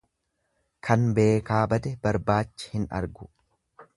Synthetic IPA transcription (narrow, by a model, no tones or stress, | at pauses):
kʰɐnbe̞ːkaːbɐd̪ɛbɐɾbaːt͡ʃːɪ̥hɪnɐ̰ɾɡʊ̥